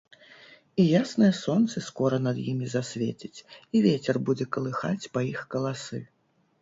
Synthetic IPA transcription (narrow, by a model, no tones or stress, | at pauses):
ijasnɐjɐsɔnt̪sɐskɔɾɐnɐd̪jimʲizasʲvʲet͡sʲit͡sʲivʲet͡sʲɛrbud͡zʲɛkɐlˠɨxat͡sʲpɐjixkɐlˠasɨ